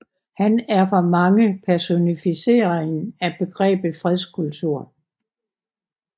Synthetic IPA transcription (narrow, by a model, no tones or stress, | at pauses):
hænæɐfɒ̽mɑ̈ŋəpʰæɐso̝nifise̝̰ːɐeŋ̩æb̥e̝ɡ̥ʁɛ̰ːb̥ð̩fʁɛðˠskʰult͡sʰuɐ̰